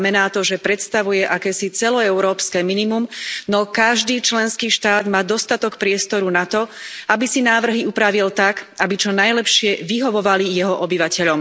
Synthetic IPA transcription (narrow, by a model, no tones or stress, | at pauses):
mɛnaːt̪ɔʒɛpɾɛt̪st̪aʋujɛʔakɛːsit͡sɛlɔɛʊɾɔːpskɛːminimumnɔkaʒd̪iːt͡ʃlɛnskiːʃt̪aːd̪maːd̪ɔst̪at̪ɔkpɾɪɛst̪ɔɾunat̪ɔabisinaːʋr̩ɦiupɾaʋilt̪akabit͡ʃɔnajlɛpʃɪɛʋiɦɔʋɔʋalijɛɦɔʔɔbiʋacɛʎɔm